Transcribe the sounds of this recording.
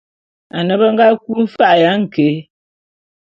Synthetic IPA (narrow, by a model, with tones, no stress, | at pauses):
a˨nə˨bə˦ŋ˦ɡa˦k̚u˦m̩˦fa˦ʔja˨˦ŋ̩˨ke˨˦